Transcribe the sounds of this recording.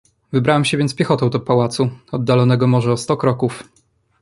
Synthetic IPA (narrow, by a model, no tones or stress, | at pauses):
vɘbɾawɛmɕɛvʲjɛnspʲjɛxɔt̪ɔ̃w̃d̪ɔpawat̪suɔd̪ːalɔnɛɡɔmɔʐɛɔst̪ɔkɾɔkuf